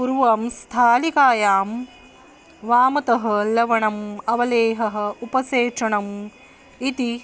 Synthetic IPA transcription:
puɾʋɐmst̪ʰaːlikaːjaːm | ʋaːmɐt̪ɐɦɐ̆lɐʋɐɳɐmɐʋɐleːɦɐɦɐ̆upɐseːt͡ʃɐɳɐm | it̪i

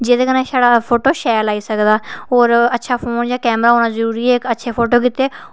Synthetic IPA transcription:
d͡ʒeːd̪eːkənẽːsaːɽaːpʰoːʈoːʃɛːɾlaːiːsəkd̪aːɦoːɾətːʃʰaːpʰoːnd͡ʒãːkɛːmɾaːɦoːnaːzəɾuːɾiːɛːkətːʃʰeːpʰoːʈoːkit̪ːeː

